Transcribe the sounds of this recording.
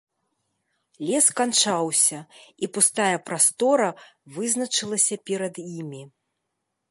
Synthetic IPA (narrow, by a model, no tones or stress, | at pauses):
lʲɛskant͡ʂawsʲɐipust̪ajɐpɾast̪ɔɾɐvɨznɐt͡ʂɨlˠɐsʲɐpʲɛɾɐd̪jimʲi